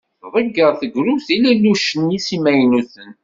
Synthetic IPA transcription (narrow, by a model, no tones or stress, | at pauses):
ðˤəɡəɾˤθəɡɾuθilælːuʃənisimæjnuθən